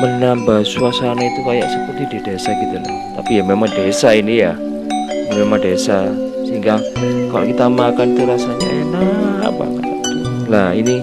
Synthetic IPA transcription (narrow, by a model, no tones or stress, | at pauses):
mənambasuasanait̪ukajaʔsəpərt̪ididesaɡit̪ula | t̪apijamemaŋdesainija | jamemaŋdesasəɦiŋɡakala̰kit̪amakanit̪uɾasaɲaʔenaa̰pa̰ka | laini